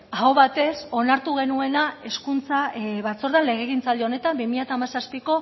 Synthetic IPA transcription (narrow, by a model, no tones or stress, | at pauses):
aoβat̪e̞so̞naɾt̪uɣ̞e̞nue̞nae̞skunt͡saβat͡so̞ɾðanle̞ɣ̞e̞ɣint͡sald̪eo̞ne̞t̪ambimiʎat̪aːmasaspiko̞